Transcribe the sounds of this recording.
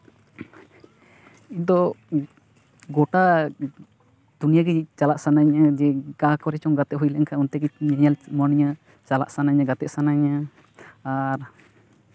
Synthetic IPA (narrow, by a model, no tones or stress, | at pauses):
id̪ɔ | ɡɔʈa | d̪̥unijaɡɛt͡ʃalaʔsanaɲad͡ʒɛɡakɔɾɛt͡ʃɔŋɡat̪ɛʔ̚ɦujlɛɛŋkʰaunt̪ɛɡɛɲɛɲalmɔniɲa | t͡ʃala̰ʔsanaɲaɡat̪ɛʔsanaɲaː | ɾ